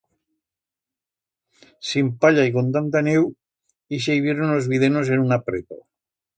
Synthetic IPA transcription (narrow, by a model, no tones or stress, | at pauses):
simpaʎaikont̪̬ant̪anew | is̬eiβjeɾonlozβið̞enos̬enunapɾḛt̪o̰